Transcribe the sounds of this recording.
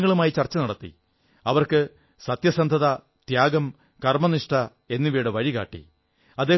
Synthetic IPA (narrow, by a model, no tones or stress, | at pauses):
ŋːɐɭumaːjit͡ɕɐrt͡ɕːɐnɐɽɐt̪ːḭ | ɐʋɐrkɨ | sɐt̪jɐsɐnd̪ʱɐðɐ | t̪jaːɡɐm | kɐrmɐniʂʈɐ | e̞nːiʋiːɽeʋɐɻiɣa̰ːʈːḭ | ɐd̪eː